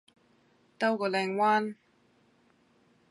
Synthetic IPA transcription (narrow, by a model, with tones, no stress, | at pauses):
t̪ɐ˥wkɔː˧lɛː˨˧ŋwaː˥n